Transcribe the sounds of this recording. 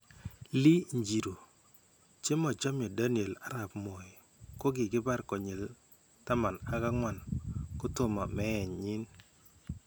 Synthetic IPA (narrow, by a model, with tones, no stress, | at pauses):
li˦ɲd͡ʒi˨ɾo˨ | t͡ʃe˦mɔ˨t͡ʃɔ˦mjɔ˨da˦ni˨e˨la˦ɾa˨pmɔ˨i˨ | ko˦ɡɪ˨ɡɪ˦ba˦ɾkɔ˨ɲe˨l | ta˦ma˨na˦ka˦ŋwa˦˨nko˦tʊ˦ma˨mɛ˦ɛ˨ɲɲi˦n